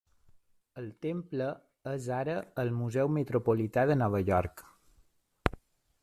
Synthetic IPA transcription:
əlˠt̪emplə | əzaɾəːlmuzɛwmət̪ɾopolit̪aðənɔβ̞əʎɔɾk

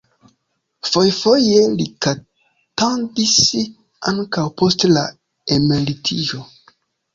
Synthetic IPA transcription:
fo̞jfo̞je̞lika | tandis | aŋkawpo̞stla | emelitʰiʒo̞

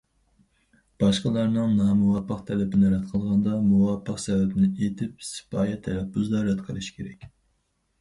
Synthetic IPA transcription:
b̥ɑʃqəlˠɑɾnɨŋnɑːmuwɑpːəqt̪ʰɛlɛbɪnɪɾɛt̪qʰəlˠʁɑnd̪ɑmuwɑpʰːəqsɛvɛbɪnɪet̪ʰɪp̚sɪ̥pɑːjɛt̪ʰːɛɾɛpːyzlˠɑɾɛt̪qʰəlˠɨʃkʲʰeɾɛkʲ

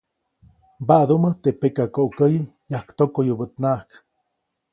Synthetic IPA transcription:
baʔd̪umət̪eʔpekakoʔkəji | jahkt̪okojubət̪nahk

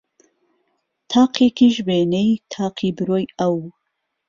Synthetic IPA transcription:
t̪ʰaːqʰekʰiʒbeːnejt̪ʰaːqʰiːbɨɾoːjɐw

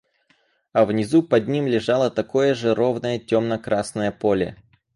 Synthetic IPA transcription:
ɐvnʲɪzupɐd̪̚ʲnʲimlʲɪʐalˠət̪ɐko̞jəʐɨɾovnəjətʲomnəkɾʔasnəjəpolʲɪ̰

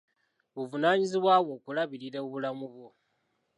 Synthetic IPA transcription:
βuvunaːɲiziβwaːβwo̞ːkulaβiɾiɾeβulamuβwo

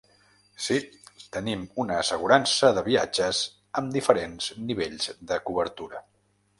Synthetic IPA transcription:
sit̪ənimunəːsəɣ̞uɾansəðəβia̰d͡ʒəz | əmd̪ifəɾenzniβeʎzd̪əkuβəɾt̪uɾə

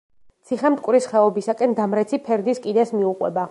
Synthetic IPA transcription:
t̪sʰiχɛmt̪kʼwɾisχɛɔbisakʼɛnd̪amɾɛt̪sʰipʰɛɾd̪iskʼid̪ɛsmiuqʼwɛ̰ba

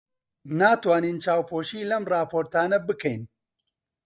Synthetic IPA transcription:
naːt̪waːniːnt͡ʃaːwpʰoːʃiːlɐmrɑːpʰoːɾt̪aːnɐbɨkʰɛjn

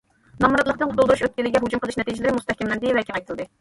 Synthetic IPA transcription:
nɑmuɾɑt̪lˠəqt̪ɨnʊulˠd̪uɾuʃøt̪̚kʲilɪɡʲɛɦud͡ʒumqəlˠɨʃnɛt̪ʰid͡ʒɪlɪɾɪmust̪ɛhkʲɛmlɛnd̪ɪvɛkʰʲiʁɑjt̪ʰɨlˠd̪ɨ

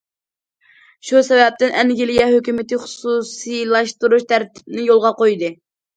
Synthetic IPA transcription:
ʃusɛvɛp̚t̪ɪnɛnɡʲɪlijɛhøkʲymɪt̪ɪχʊ̥susilˠɑʃt̪uɾuʃt̪ʰæɾt̪ʰɪ̥p̚nɪjolˠʁɑqojd̪ɨ

